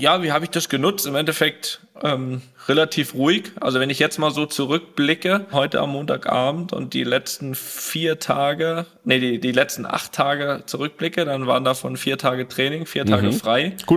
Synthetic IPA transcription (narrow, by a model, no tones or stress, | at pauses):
jaːviːhaːbɪçd̥asɡ̥ənʊt͡stɪmʔɛntɛfɛk̚t | ʔɛːm | ʁelatʰiːfʁuːɪçʔa̰lzovɛnɪçjɛt͡stmaːlzoːt͡suʁʏk̚b̥lɪkəɦɔʏtəa̰mːoːntʰaːkʔa̰ːbm̩tʊ̰nt̚d̥ḭːlɛt͡stn̩fiːɐtʰaːɡə | nədiːdiːlɛt͡stn̩ʔa̰χtʰːaːɡət͡suʁʏk̚b̥lɪkədanvaːʁəndaːfɔnfiːɐtʰaːɡətʁ̥ɛːnɪŋfiːɐtʰaːɡəfʁ̥aɪɡ̥u